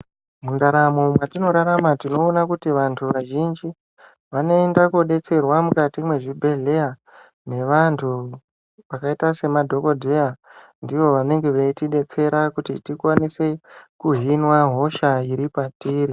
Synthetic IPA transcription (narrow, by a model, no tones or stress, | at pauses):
mundaɾamomwatino̞ɾaɾamatino̞ːnakutiʋantʰuʋaʒind͡ʒi | ʋano̞endakoɗe̞t͡se̞rwamukatimwe̞ʐibʱe̞ɮe̞ja | ne̞ʋantʰu | ʋakaitase̞madʱo̞ko̞dʱe̞ja | ndiʋo̞ʋane̞ŋɡe̞ʋetiɗe̞t͡se̞ɾakutḭtikwanisekuɦinwaɦo̞ʃaiɾipatiːɾi